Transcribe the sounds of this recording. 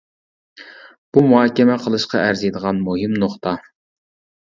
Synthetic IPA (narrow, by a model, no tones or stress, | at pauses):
b̥umuɦɑːkʲɛmɛqʰəlˠɨʃqɑæɾzijd̪əʁɑnmuɦɪmnoχt̪ɑ